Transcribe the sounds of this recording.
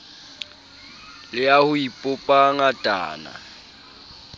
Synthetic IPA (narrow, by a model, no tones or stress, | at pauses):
lɪahʊipʼʊpʼaŋatʼa̰ːna̰